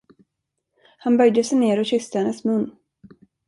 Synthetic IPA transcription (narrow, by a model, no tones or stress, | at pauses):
hanbœjd̪əsɛjneːɾɔɕʏst̪əhɛnːəsmɵnː